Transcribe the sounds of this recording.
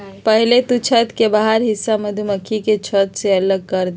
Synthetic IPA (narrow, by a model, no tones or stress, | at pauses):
pəɦilet̪ut͡ʃʰət̪kebaɦaɾɦisːaməd̪ʱuməkʰiket͡ʃʰət̪seələɡ̚kəɾd̪